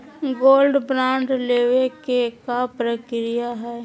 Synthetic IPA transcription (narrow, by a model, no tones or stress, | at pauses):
ɡoːlɖbɾãːɳɖleːwekekapɾəkɾɪjaɦɛː